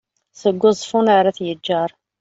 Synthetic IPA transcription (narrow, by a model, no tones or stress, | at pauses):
səɡʷːʊzˤfunaɾaθjəd͡ʒːɑɾˤ